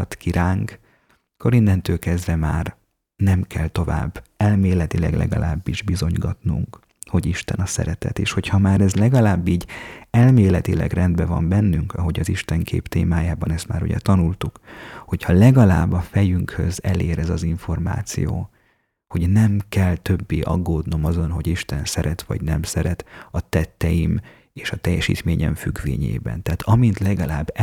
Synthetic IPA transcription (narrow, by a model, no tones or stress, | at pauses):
t̪kiɾaːŋk | kːo̞ɾind̪ɛnt̪øːlkɛzd̪vɛmaːr | nɛmkɛlt̪o̞va̰ːbːɛlmeːlɛt̪ilɛ̰ɡlɛ̰ɡɒ̰lʔaːbːiʒbizo̞ɲɡɒt̪nṵŋk | ho̞ɟiʃt̪ɛnɒsɛ̰ɾɛt̪ɛ̰t̪eːʃho̞chɒmaːɾɛzlɛɡɒlaːbːiːɟɛlmeːlɛt̪ilɛ̰ɡrɛnd̪bɛvɒmbɛnːyŋkɒɦo̞ɟɒziʃt̪ɛŋkʰḛːpt̪eːmaːjaːbɒnɛst̪ma̰ːɾṵɟɛ̰t̪ɒnult̪ukho̞chɒlɛɡɒlaːbːɒfɛjyŋkhø̞zɛleːɾɛzɒziɱfo̞rma̰ːt̪sḭjoː | ho̞ɟnɛmkɛlt̪ø̞bːeːʔɒ̰ɡːoːd̪no̞mɒzo̞nɦo̞ɟiʃt̪ɛnsɛɾɛt̪ʋɒ̰ɟnɛmsɛɾɛt̪ɒt̪ɛt̪ːɛjim | eːʃɒt̪ɛjːɛʃḭːt̪meːɲɛ̰ɱfyɡʋḛːɲḛːbɛ̰nt̪ɛːt̪ʰɒmint̪lɛɡɒlaːbː